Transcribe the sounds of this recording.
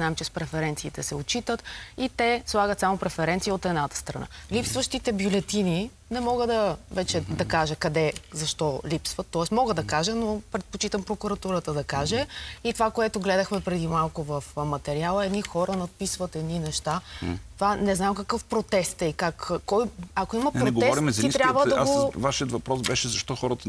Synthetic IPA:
naɛmt͡ʃɛspɾɛfɛɾɛnt̪siːt̪ɛsɛot͡ʃit̪ət̪it̪ɛslˠaɡət̪samopɾɛfɛɾɛnt̪siəot̪ɛd̪nat̪ə̥st̪ɾɐ̰na̰lipsvəʃt̪it̪ɛbjʊlɛt̪ini | nɛmɔɡəd̪ɐvɛt͡ʃɛd̪ɐkaʒəkɐd̪ɛzɐʃt̪ɔlipsvət̪ːɔɛsmɔɡəd̪ɐkaʒənopɾɛt̪̚pot͡ʃit̪əmpɾokuɾɐt̪uɾət̪əd̪ɐkaʒɛit̪ovakoɛt̪ʊɡlɛd̪əxmɛpɾɛd̪imalˠkʊvɐfmɐt̪ɛɾialˠəɛd̪nixɔɾənɐt̪̚pisvət̪ɛd̪ninɛʃt̪at̪ovanɛznamkɐkɤfpɾot̪ɛst̪ɛikakːɔjɐkoimɐpɾoɛtɡoɛɔɾimɛzɐiit̪ɾʲjabvəd̪ɐɡovaʃiət̪vɐpɾɔsbɛʃɛzɐʃt̪ɔxɔɾət̪ə

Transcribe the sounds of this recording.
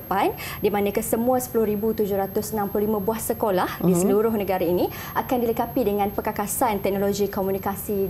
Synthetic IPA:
pan | dimãnãkəsəmũãsə̥pulʊhɾibut̪ud͡ʒʊhɾat̪ʊsənãmplohlimãbuahsəkolahdisəluɾʊhnə̃ɡaɾaini | akandiləkapidəŋãnpəkakasant̪ɛk̚noloɡikomunikasi

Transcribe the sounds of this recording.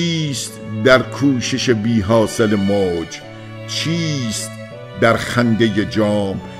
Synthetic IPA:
iːst̪d̪æɾkʰuːʃeʃebiːɦɒːselemoːd͡ʒ | t͡ʃʰiːst̪̚ | d̪æɾxænd̪ejed͡ʒɒːm

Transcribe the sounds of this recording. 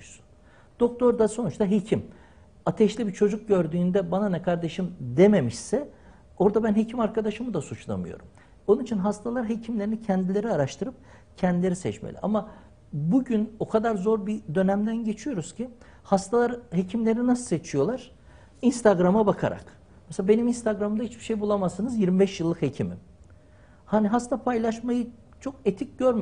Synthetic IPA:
su̥ | d̪̥o̞k̚t̪ʰo̞ɾd̪aso̞nut͡ʃt̪aɦecʰim | at̪ʰɛʃlʲibit͡ʃʰo̞d͡ʒuk̚ɟø̞ɾd̪yːnd̪ɛbananɛkʰaɾd̪e̞ʃimd̪e̞me̞miʃsɛ | o̞ɾd̪abænɦe̞cʰimaɾkʰad̪aʃɯmɯd̪asut͡ʃlˠa̰mɯ̰jo̞̰ɾum | o̞nunit͡ʃʰinɦast̪ʰalˠaɾɦecʰimlʲeɾinicʰɛnd̪ilʲe̞ɾiaɾaʃt̪ʰɯɾɯp̚ | cʰɛnd̪ilʲe̞ɾisɛt͡ʃmḛlʲḭʔa̰ma | buɟyno̞kʰad̪aɾzo̞ɾbid̪ø̞næmd̪ænɟe̞t͡ʃʰijo̞ɾuz̥cʰi | hast̪ʰalˠaɾhecʰimlʲe̞ɾninasɯ̥set͡ʃʰijo̞lˠaɾ̥ | inst̪ʰaɡɾamabakʰa̰ɾa̰k | mɛselabe̞niminst̪ʰaɡɾamɯnd̪ahit͡ʃbi̥ʃejbulˠamasɯnɯzjiɾmibɛʃjɯlˠːɯkhecʰimḭm | haːniɦast̪ʰapʰajlˠaʃmajɯ | t͡ʃʰo̞ket̪ʰic̚ɟøɾm

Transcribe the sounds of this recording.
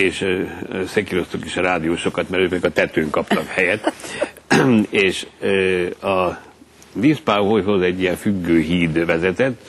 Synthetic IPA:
eːʃsekiɾo̞st̪ukiʃɒɾaːd̪ijoːʃo̞kɒt̪mɛɾøpɛikɒt̪ɛt̪øːŋkɒpt̪ɒkhɛjɛt̪ː | eːʃ | ɒ | viːspaːɦojɦo̞zɛɟːijɛɱfyɡːøːɦiːd̪vɛzɛt̪ɛt̪ː

